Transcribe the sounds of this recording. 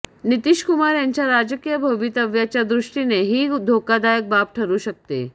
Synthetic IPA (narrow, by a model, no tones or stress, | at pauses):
nit̪iɕkumaɾjaɲt͡ɕjaɾad͡ʑəkijəbʱəʋit̪əʋjat͡ɕjad̪ɾuʂʈineɦiːd̪ʱokad̪ajək̚bap̚ʈʰəɾuːɕək̚t̪ḛ